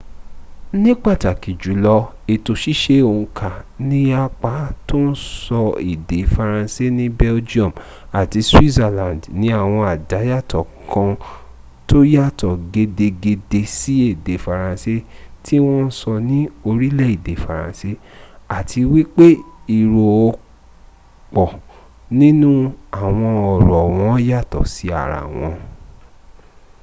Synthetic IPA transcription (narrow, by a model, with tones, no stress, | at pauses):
nĩ˦k͡pa˦˨ta˨ki˨d͡ʒu˨˦lɔ˧ | e˨to˨ʃi˦ʃe˧o˧˨ũ˧kʰa˨nĩ˦a˦k͡pa˨˦to˦n̩˦sɔ˧ḭ˨de˨fa˨ɾã˧se˦nĩ˦bɛ˦ld͡ʒi˦ɔ̃˦˨m | a˨ti˧swi˦za˧lã˨ndnĩ˨˦a˦˨w̃ɔ̃˧a˨da˨˦ja˦˨tɔ˨kʰã˧ | to˦ja˦˨tɔ˨ɡe˧de˧ɡe˧de˧si˨˦e˦˨de˨fa˨ɾã˨se˦tʰi˦w̃ɔ̃˦n̩˦sɔ˧nĩ˨˦o˧ɾi˦lɛ˦˨i˨de˨fa˨ɾã̰˨se˦a˨tʰi˧wi˦k͡pe˦i˨ɾo˨o˧ | k͡pɔ˨ | nĩ˦nũ˦a˦˨w̃ɔ̃˧ɔ˨ɾɔ˨w̃ɔ̃˨˦ja˦˨tɔ̰˨si˨˦a̰˦˨ɾa̰˨w̃ɔ̃˧